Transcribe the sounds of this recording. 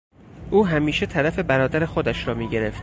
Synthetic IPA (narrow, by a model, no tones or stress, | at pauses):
ʔuːɦæmiːʃe̞t̪ʰæɾæfe̞bæɾɒːd̪æɾe̞xod̪æʃɾɒːmiːɟe̞ɾe̞ft̪